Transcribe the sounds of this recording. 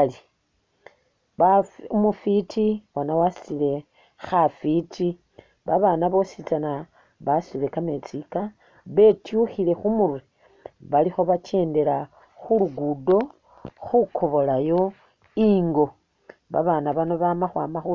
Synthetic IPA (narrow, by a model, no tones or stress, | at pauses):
i | βaumufitʰiwanawasi̥t͡sile̞ | xafiti | βaβanaβo̞sit͡sana | βasile̞kame̞t͡sika | βe̞tjuxile̞xumurwe | βalixo̞βat͡ʃe̞ːnde̞la | xuluɡudo̞ | xukʰo̞βo̞lajo̞ | iŋɡo̞ | βa̰βanaβano̞βamaxwaːmaxu